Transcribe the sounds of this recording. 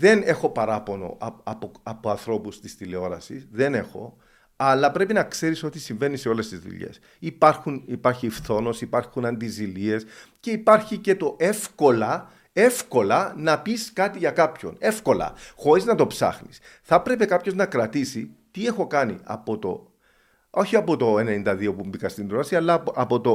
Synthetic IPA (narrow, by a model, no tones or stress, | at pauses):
ðe̞ne̞xo̞pɐɾɐpo̞no̰ʔɐɐpoɐpoɐnθɾo̞pust̪ist̪ile̞o̞ɾɐsisðe̞ne̞xo̞̰ | ɐlːɐpɾe̞pinɐkse̞ɾiso̞t̪isiɱve̞nise̞o̞le̞st̪izðṵʎe̞̰s | ipɐɾxunipɐɾçifθo̞no̞sipɐɾxunɐnd̪izilie̞sce̞ipɐɾçice̞t̪o̞ʔe̞fko̞lɐ | e̞fko̞lɐnɐpiskɐt̪iʝɐkɐpço̞̰ne̞fko̞lɐ̰xo̞ɾiznɐt̪o̞psɐ̰xnis | θɐpɾe̞pe̞kɐpço̞znɐkɾɐt̪isit̪ie̞xo̞kɐnḭɐ̰po̞t̪o̞̰ | o̞çiɐpo̞t̪o̞ene̞nind̪ɐðio̞pumbikɐst̪ind̪ɾɐsiɐlːɐɐpo̞t̪o̞